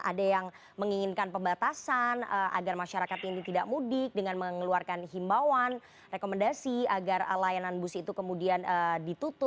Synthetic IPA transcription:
ʔa̰dajaŋ | məŋiŋɪnkanpəmbat̪asanəʔa̰ɡarmaʃaɾakat̪init̪idaʔmudɪk̚dəŋanməŋəluarkanɦimbawan | rekoməndasiaɡarlajananbusit̪ukəmudianədit̪ut̪ʊ

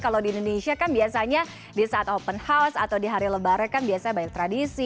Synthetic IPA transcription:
kalawdiːndoneʃiakanbiasaɲa | disaat̪ɔpənhawsa̰t̪awdiɦaɾiləbaɾakanbiasaɲabaɪk̚t̪ɾadisi

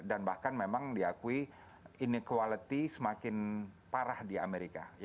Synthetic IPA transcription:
danbahkanmemaŋdiakui | inikwalət̪isəmakɪn | paɾahdia̰meɾika

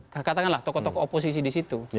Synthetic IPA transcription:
kakat̪akanlaht̪ɔkɔt̪ɔkɔːpos̬is̬idisit̪u

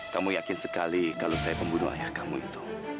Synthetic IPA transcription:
kamujakɪnsəkalikalosajapəmbunṵha̰jahkamuḭt̪u̥

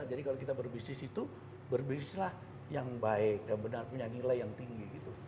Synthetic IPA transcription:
d͡ʒadikalokit̪abərbisnɪsit̪u | bərbisɪslah | jaŋbaɪk̚danbənarpuɲanilajjaŋt̪iŋɡiɡit̪u

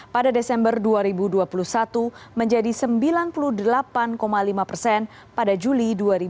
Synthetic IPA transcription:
padadesɛmbərduaɾibuduapulusat̪uməɲd͡ʒadisəmbilanpuluhdəlapankomalimapərsɛn | padad͡ʒuliduaɾi

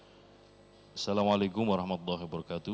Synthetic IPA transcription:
ʔsalamalajkʊmwaɾɑhmat̪ulˤːahibəɾɔkat̪u

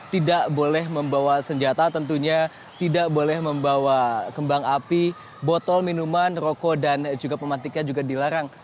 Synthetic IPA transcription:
t̪idaʔbolɛɦməmbawasəɲd͡ʒat̪at̪ənt̪uɲa | t̪idaʔbolɛhməmbawakəmbaŋapi | bɔt̪ɔlminumanrokɔdand͡ʒuɡapəmat̪ɪk̚ɲad͡ʒuɡadilaɾaŋ

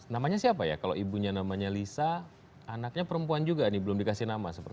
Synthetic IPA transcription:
namaɲasiapaja̰kalo̰ʔibuɲanamaɲalisaː | nak̚ɲapəɾəmpuand͡ʒuɡanɪbəlʊmdikasɪhnamasəpər

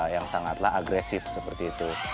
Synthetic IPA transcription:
jaŋsaŋat̪laɦaɡɾɛsɪfsəpərt̪iːt̪u

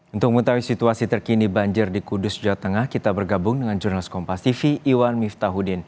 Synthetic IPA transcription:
unt̪ʊk̚mət̪awisit̪uasit̪ərkinibaɲd͡ʒɪrdikudʊsd͡ʒawat̪əŋahkit̪abərɡabʊŋdəŋand͡ʒurnalɪskɔmpast̪ifiʔːwanmift̪aɦudɪn

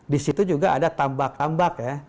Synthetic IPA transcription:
disit̪ud͡ʒuɡaʔadat̪ambak̚t̪ambak̚ja

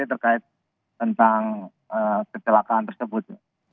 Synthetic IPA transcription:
et̪ərkaɪt̪̚ː | ənt̪aŋ | əkət͡ʃəlakaːnt̪ərsəbʊt̪̚

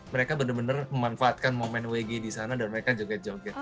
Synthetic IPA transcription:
məɾekabənərbənərməmanfaːt̪̚kanmomɛnweɡedisanadanməɾekad͡ʒoɡɛd͡ʒoɡɛt̪̚

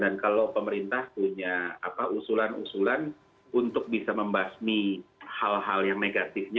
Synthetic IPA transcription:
dankalowpəməɾint̪ahpuɲa̰ːpaʔusulanṵsulan | unt̪ʊk̚bisaməmbasmihalɦaljaŋneɡat̪ɪfɲa

